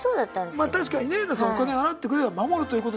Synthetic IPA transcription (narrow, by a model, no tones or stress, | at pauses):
soːd̪at̪ːãnd̪emaːt̪aɕi̥kaɲ̟inenasookaneaɾat̪ːe̞k̬ɯ̟ɾebamamo̞ɾɯ̟t̪oiɯ̟koto